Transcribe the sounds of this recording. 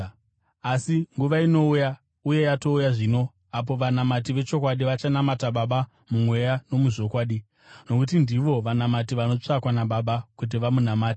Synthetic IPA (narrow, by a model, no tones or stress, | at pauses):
asiŋɡuʋaino̞uja | uje̞jato̞ujaʐiːno̞ | ap̬o̞ʋanamat̬iʋe̞t͡ʃo̞k̬waɗiʋat͡ʃanamataɓaɓa | mumwe̞jano̞muʐo̞kwaːɗi | no̞kutindiʋo̞ʋanamatiʋano̞t͡ʂakwanaɓaɓakut̬iʋamunamaːti̥